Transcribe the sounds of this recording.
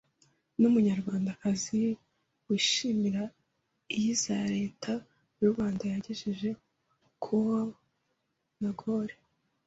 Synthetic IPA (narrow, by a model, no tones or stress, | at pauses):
numuɲaɾɡwaːndakazi | wiːʃimiɾa | jizaɾe̞ːtʰa | juɾβaːndajaɟeʒiʒe̞ | kʰuwa | naɡoɾe